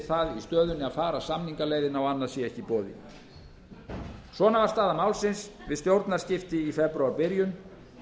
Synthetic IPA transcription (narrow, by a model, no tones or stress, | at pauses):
θaðist̪œːðʏnːɪaðfaːɾasamniŋkaleːjðɪnawanːasjɛɛhcɪpɔːðɪ̰ | sɔːnavaɾ̥st̪aːðamaːwlsɪnsvɪðst̪jowɾt̪naɾ̥scɪft̪ɪifɛpɾawaɾpɪɾjʏn